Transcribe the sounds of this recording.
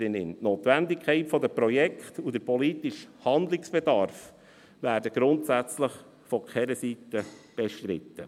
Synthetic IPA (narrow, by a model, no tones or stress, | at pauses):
ɪnɪntnoːt̪ʋændɪkʰɛɪtfɔdəpɾɔjɛkχtud̪əɾpɔlitɪʃhɑnd̪lɪksb̥ɛdɑɾf | ʋæːɾdəɡ̥ɾʊntsæt͡sləχ | fɔkχɛɾəsitəb̥ɛʃtɾɪ̰t̪ːə̰